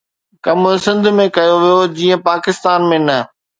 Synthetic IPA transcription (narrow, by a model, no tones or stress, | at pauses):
kɐmsɪ̃nd̪ʱmẽkɐjoʋijod͡ʑiːə̃paːkɪst̪aːnmẽnɐ